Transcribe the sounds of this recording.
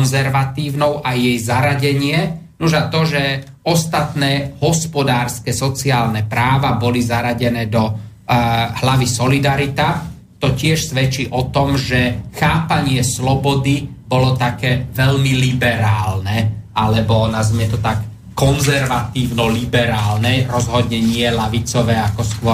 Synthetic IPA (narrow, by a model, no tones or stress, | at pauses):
nzɛɾʋat̪iːʊnɔʊʔajːɛjzaɾaɟɛɲɪɛnuʒat̪ɔʒɛ | ɔst̪at̪nɛːɦɔspɔd̪aːɾskɛsɔt͡siaːlnɛpɾaːʋabɔlizaɾaɟɛnɛːd̪ɔ | hlaʋisɔlid̪aɾit̪a | t̪ɔcɪɛʃsʋɛt͡ʃiːʔɔt̪ɔmʒɛxaːpaɲɪɛslɔbɔd̪ibɔlɔt̪akɛːʋɛʎmilibɛɾaːlnɛalɛbɔnazmɪɛt̪ɔt̪akː | ɔnzɛɾʋat̪iːʊnɔlibɛɾaːlnɛɾɔzɦɔd̪ɲɛɲɪɛlaʋit͡sɔʋɛːakɔskʊɔ